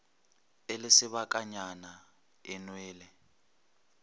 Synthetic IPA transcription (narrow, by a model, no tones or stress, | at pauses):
elɪsɪβakʼaɲana | ɛnwɛːlɛ